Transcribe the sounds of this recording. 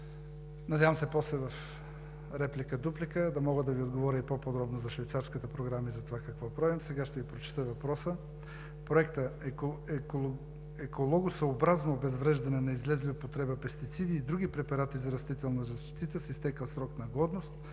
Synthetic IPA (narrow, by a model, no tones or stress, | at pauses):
nɐd̪ʲjavəmsɛpɔslɛvɐf | ɾɛplikəd̪uplikəd̪ɐmɔɡəd̪ɐviod̪ɡovɔɾʲəipopod̪ɾɔbnozɐʃvɛjt̪saɾskət̪əpɾoɡɾamizɐt̪ovakɐkvɔpɾavimsɛɡaʃt̪ɛvipɾot͡ʃɛ̥t̪əvɐpɾɔsə | pɾoɛkt̪ə | ɛkolˠɔɡʊsɐobɾaznobɛzvɾɛʒd̪ɐnɛnɐizlɛzlʲiʊpot̪ɾɛbəpɛst̪it̪sid̪iːd̪ɾuɡipɾɛpɐɾat̪izɐɾɐst̪it̪ɛlˠnɐzɐʃt̪it̪əsist̪ɛkəlˠsɾɔknɐɡɔd̪nost̪